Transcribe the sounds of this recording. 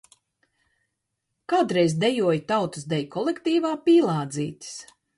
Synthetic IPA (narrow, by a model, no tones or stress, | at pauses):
kaːd̪ɾɛjzd̪ɛjuɔjt̪awt̪ɨsd̪ɛjkʰɔlˠekt̪iːvaːpiːlˠaːd̪ziːt̪ʲi̥s